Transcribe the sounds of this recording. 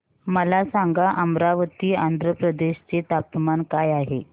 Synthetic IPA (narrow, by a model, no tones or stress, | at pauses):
məlasaŋɡaʔəmɾaʋət̪iːand̪ʱɾəpɾəd̪eɕt͡set̪ap̚t̪əmankajaɦe